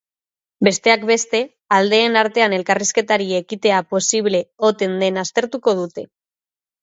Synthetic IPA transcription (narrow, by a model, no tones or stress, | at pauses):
be̞st̪e̞akbe̞st̪e̞ | ald̪e̞ːnaɾt̪e̞ane̞lkariske̞t̪aɾiekit̪e̞apo̞siβ̞le̞o̞t̪e̞nd̪e̞nast̪e̞ɾt̪uko̞ðut̪e̞